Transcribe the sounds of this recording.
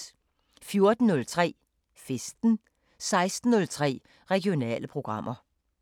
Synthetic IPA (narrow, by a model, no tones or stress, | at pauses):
fjo̝ɐd̥n̩ːɔlt͡sʰʁɛ̰ː | fesd̥n̩ | sɑ̈ɪsd̥n̩ːɔlt͡sʰʁɛ̰ː | ʁɛɡijonɛ̰ːləpʰʁo̝ɡ̥ʁɑ̈m̰ʔɐ